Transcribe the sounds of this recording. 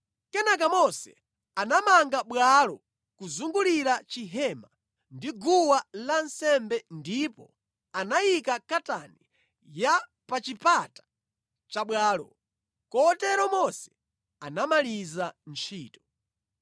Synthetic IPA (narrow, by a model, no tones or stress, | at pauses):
kɛnakamɔsɛ | anamaŋɡaɓwalɔ | kuzuŋɡuliɾat͡ʃiɦɛma | ndiɡuwalansɛmbɛndipɔ | anajikakata̰ni | ja | pat͡ʃipatḁ | t͡ʃaɓwaːlɔ̰ | kɔtɛɾɔmɔsɛ̥ | anamalizant͡ʃʰiːtɔ̥